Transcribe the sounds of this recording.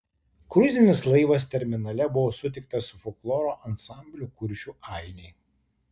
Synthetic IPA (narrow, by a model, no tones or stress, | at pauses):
kɾʊzʲɪnʲɪslˠɐɪʋɐst̪ʲɛɾʲmʲɪnɐlʲɛbʊʋoːsʊt̪ʲɪk̚t̪ɐsʊfɔklˠɔːɾoːʔɐnsɑˑmʲbʲlʲʊkʊɾʲʃʲuˑɑˑɪnʲɛɪ